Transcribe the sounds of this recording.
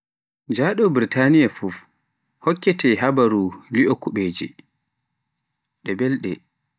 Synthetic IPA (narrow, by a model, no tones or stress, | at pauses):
d͡ʒaɗɔbɾitanijafuf | hɔkːɛtʰɛɦabaɾuliʔɔkuɓeːd͡ʒḭ | ɗɛbɛlɗɛ